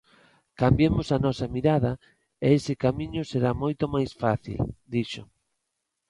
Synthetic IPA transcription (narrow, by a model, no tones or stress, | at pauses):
kambjemosɐnɔsɐmiɾaðɐ | eesɪkamĩɲʊseɾamojt̪omajsfaθḭld̪iʃo̰